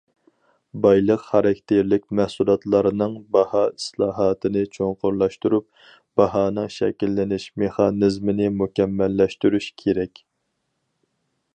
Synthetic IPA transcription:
bɑjlˠəqχɑɾɑkʲt̪ʰeɾlɪkʲmɛhsulˠɑt̪lˠɑɾɨnɨŋbɑhɑislˠɑːɦɑːt̪ʰɨnɨt͡ʃʰoŋqʰʊɾlˠɑʃt̪uɾup̚ | b̥ɑɦɑːnɨŋʃɛ̰kʲilːɪnɪʃmeχɑnɨzmɪnɪmukʲɛmːɛlːɛʃt̪yɾyʃkʲʰeɾɛkʲ

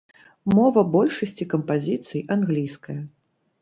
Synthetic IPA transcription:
mɔvɐbɔlʲʂɐsʲt͡sʲikɐmpazʲit̪sɨjʔanɣlʲijskɐjɐ

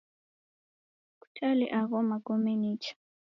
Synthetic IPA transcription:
ku̥tʼalɪ̰ʔaɣʊmaɡʼomeniːt͡ʃʰḁ

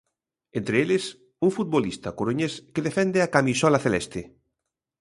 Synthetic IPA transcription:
ent̪ɾeeles | uŋfut̪̚βolist̪ɐkoɾoɲeskeðefɛnd̪eakamiʃɔlaθelɛst̪e

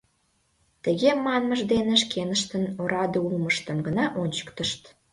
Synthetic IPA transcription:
t̪əɣemɑnməʒd̪eneʃ̬kenəʃt̪ənoɾɑd̪əulməʃt̪əmɡənɑʔonʲt͡ɕə̥kt̪əʃt̪

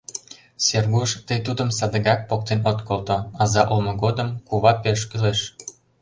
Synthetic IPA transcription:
serɣuʃt̪əjt̪ud̪əmsɑd̪ə̆ɣɑk̚pok̚t̪enot̪kolˠt̪oɑzɑʔolmoɡod̪əmkuβɑpeʃkyleʃ

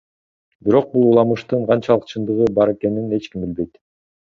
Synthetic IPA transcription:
biɾo̞q̚bulˠulˠɑmɯʃt̪ɯɴqʰɑnt͡ʃɑlˠɯq̚t͡ʃʰɯnd̪ɯʁɯbɑɾe̞ke̞nine̞t͡ʃkimbilbe̞jt̪

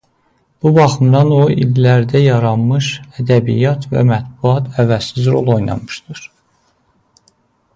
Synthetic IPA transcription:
b̥ubɑxɯmd̪ɑnoilːæɾd̪æjɑɾɑnmɯʃæd̪æbḭjɑt̪ʰvæ̰mæt̪buɑt̪ʰævæzsizɾo̞̰lˠo̞jnɑ̰mɯ̥ʃd̪ɯɾ̥

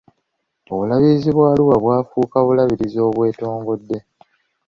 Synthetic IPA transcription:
o̞βulaβiziβwaːluwaβwaːfuːkaβulaβiɾizo̞ːβwe̞ːto̞ːŋɡo̞dːe̞

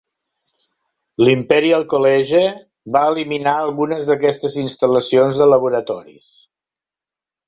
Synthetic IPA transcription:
limpɛɾiəlˠkulɛʒə | βaəliminaəlˠɣunəzðəkɛst̪əzinst̪ələsionzðələβuɾət̪ɔɾḭs

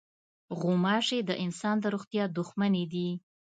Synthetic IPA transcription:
ɣumɑʂed̪əʔɪnsɑnd̪əɾoɣt̪jɑd̪ʊxmaned̪i

